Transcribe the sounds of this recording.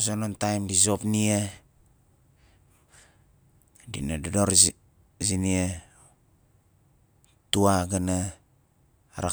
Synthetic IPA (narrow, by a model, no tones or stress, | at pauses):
zonontajmdizo̞pnie | dḭnadodoɾ | zinie | tuaɡana | ɾa̰